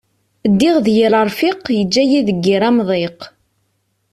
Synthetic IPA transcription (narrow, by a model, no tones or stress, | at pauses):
d̪ːiʁðjəɾəɾˤfiqjəd͡ʒːæjiðəɡːiɾæmðˤeq